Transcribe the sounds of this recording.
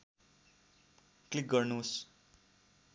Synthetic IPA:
klik̚ɡʌrnus

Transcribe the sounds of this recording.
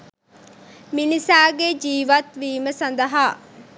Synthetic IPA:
minisaːɡed͡ʒiːʋɐt̪ʋiːməsɐnd̪ɐɦaː

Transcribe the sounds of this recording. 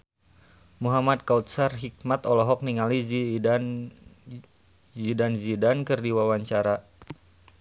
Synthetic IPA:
muɦamad̪̚kaut̪̚sarɦik̚mat̪ɔlɔɦɔk̚niŋalizin | zidanzidankɨrdiwawaɲt͡ʃaɾa

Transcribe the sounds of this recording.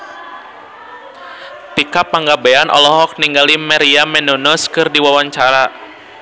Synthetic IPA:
t̪ikapaŋɡabeanʔɔ̰lɔɦɔk̚niŋɡalimaɾiamɛnɔnɔskɨrdiwawaɲt͡ʃaɾa

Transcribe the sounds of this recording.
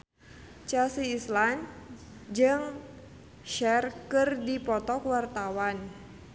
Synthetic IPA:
t͡ʃasiːslan | d͡ʒɨŋ | ʃɛrkɨrdipɔt̪ɔkwart̪awan

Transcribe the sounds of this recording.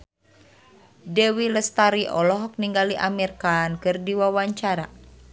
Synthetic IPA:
dɛwiləst̪aɾiʔɔlɔɦɔk̚niŋɡaliʔamirkankɨrdiwawaɲt͡ʃaɾa̰

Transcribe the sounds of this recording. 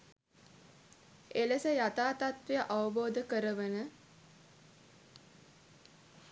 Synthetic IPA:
eləsəjat̪aːt̪at̪ʋejəʔaʋəboːd̪əkəɾəʋənə

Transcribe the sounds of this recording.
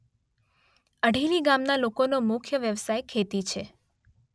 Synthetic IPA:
əɖʱeliɡamnalokonomʊkʰjəʋjəʋsajkʰːet̪it͡ʃʰe

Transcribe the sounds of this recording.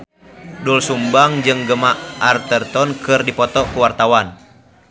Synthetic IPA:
dulsumbaŋd͡ʒɨŋɡəmaʔart̪ərt̪ɔnkɨrdipɔt̪ɔkuwart̪awan

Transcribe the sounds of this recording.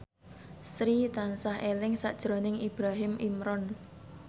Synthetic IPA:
sɾit̪ansaɦelɪŋsa̰ʔd̥ʒ̥ɾonɪŋib̥ɾaɦɪmʔimɾɔn

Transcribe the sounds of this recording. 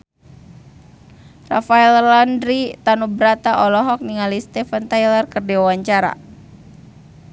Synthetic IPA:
rafaɛllandɾit̪anubɾat̪aʔɔlɔɦɔk̚niŋalist̪ɛfant̪ajlərkərdɛwawaɲt͡ʃaɾa̰

